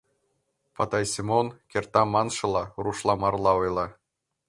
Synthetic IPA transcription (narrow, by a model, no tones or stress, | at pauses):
pɑt̪ɑjsʲimonkʲert̪ɑmɑnʃɤ̆lˠɑruʃlˠɑmɑrlˠɑojlˠɑ